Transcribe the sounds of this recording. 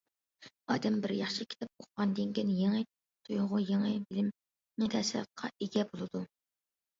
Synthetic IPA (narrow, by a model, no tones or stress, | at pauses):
ɑ̰ːd̪ɛmbɪɾjɑχʃɨkʲʰi̥t̪ʰɛp̚oqʁɑnd̪ɪŋkʲinjeŋɨ | t̪ʰujʊʁʊjeŋɨbɪlɪm | nɪt̪ʰɛsɪɾt̪̚qʰːɑ̰eɡʲɛbolˠɨd̪u